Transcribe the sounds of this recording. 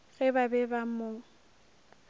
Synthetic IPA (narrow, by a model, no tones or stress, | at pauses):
ɣɛbabɛbamo